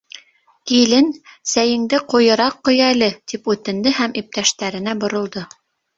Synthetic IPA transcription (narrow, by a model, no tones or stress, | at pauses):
kilɘnsæjɘ̆ŋd̪ɘqŏjɤ̆ɾɑqːŏjælɘt̪ipʉt̪ɘ̆nd̪ɘɦæmʔip̚t̪æʃt̪æɾɘ̆næbŏɾŏlˠd̪ɤ